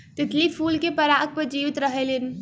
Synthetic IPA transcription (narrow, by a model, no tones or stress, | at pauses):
t̪ɪt̪lipʰuːlkepəɾak̚pəɾd͡ʒiʋit̪ɾəɦelin